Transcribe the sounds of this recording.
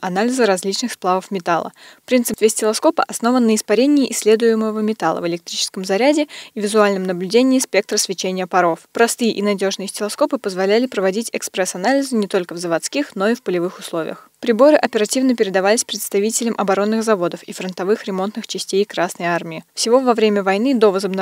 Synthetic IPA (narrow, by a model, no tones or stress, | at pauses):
ɐnalʲɪzəɾɐzʲlʲit͡ɕnɨxsplˠavəfmʲɪt̪alˠə̰fpɾʲint̪sɨpt̪vʲɪəsʲtʲɪlˠɐsko̞pə̰ʔɐsno̞vənːəɪspɐɾʲenʲɪːʔɪsʲːlʲe̞d̪ʊjɪməvəmʲɪt̪alˠə̰vəlʲɪk̚t̪ɾʲit͡ɕɪ̥skəmzɐɾʲædʲɪivʲɪzʊalʲnəmnəblʲʉdʲenʲɪːspʲe̞k̚t̪ɾəsvʲɪt͡ɕenʲɪjəpɐɾo̞fpɾɐst̪ɨjɪʔɪnɐdʲo̞ʐnɨjɪsʲtʲɪlˠɐsko̞pɨpəzvɐlʲælʲɪpɾəvɐdʲitʲɛkspɾɛsɐnalʲɪzɨnʲɪt̪o̞lʲkəvzəvɐt̪skʲixno̞ifpəlʲɪvɨxʊslˠo̞vʲɪ̰jəx | pɾʲɪbo̞ɾɨʔɐpʲɪɾɐtʲivnəpʲɪɾʲɪd̪ɐvalʲɪsʲpɾʲɪt̪st̪ɐvʲitʲɪlʲɪmʔɐbɐɾo̞nːɨɣzɐvo̞d̪əfifɾənt̪ɐvɨxɾʲɪmo̞nt̪nɨxt͡ɕɪsʲtʲejkɾasnəjarmʲɪɪfsʲɪvo̞vɐvɾʲemʲəvɐjn̪ɨd̪o̞vəzəbnɐ